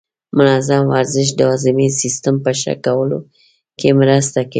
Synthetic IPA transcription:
mʊnɑzamwaɾzɪʃ̬d̪əɑzɪmisist̪əmpəʃa̰kawəlo̰ | kemɾəst̪akai

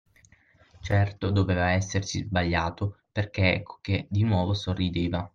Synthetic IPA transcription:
t͡ʃɛrt̪od̪oveːvaɛsːersizbaʎːaːt̪operk̟eɛ̰kːo̥k̟ed̪inwɔːvosorːid̪eːva

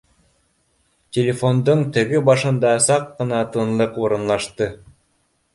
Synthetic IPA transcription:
tʲelʲefond̪oɴt̪ɘ̆ɡɘbɑʃɤ̆nd̪ɑsɑqːɤ̆nɑt̪ɤ̆nlˠɤquɾɤ̆nlˠɑʃt̪ɤ

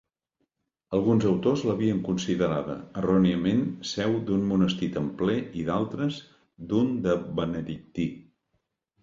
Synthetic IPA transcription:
əlˠɣunzəwt̪ozləβiəŋkunsiðəɾaðə̰ːrɔniəmensɛwd̪unmunəst̪it̪əmplɛiðalˠt̪ɾəz | d̪und̪əβənəðik̚t̪i

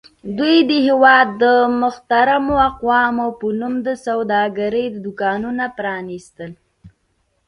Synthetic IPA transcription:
d̪wujd̪əhewɑd̪ːəmʊxt̪aɾamoaqwɑmopənumd̪əsawd̪ɑɡaɾəjd̪əd̪ʊkɑnunapɾɑnist̪əl

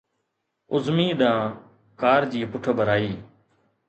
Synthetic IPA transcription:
ʊzmiːɗãː | kaːɾd͡ʒiːpʊʈʰbʱəɾaːiː

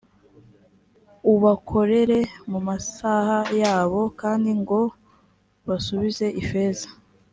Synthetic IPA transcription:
uβakʰo̞ɾe̞ɾe̞mumasahajaːβo̞kaːndiŋɡo̞ | βasuβize̞ʔife̞ːzḁ

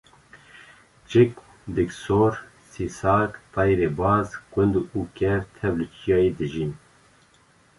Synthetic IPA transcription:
t͡ʃɪk̚ | d̪ɨksoːɾ | sisɑːkt̪ɑjɾeːbɑːzkʷɨnd̪uuːkɛɾt̪ʰɛblut͡ʃʰijɑːjed̪ɨʒin

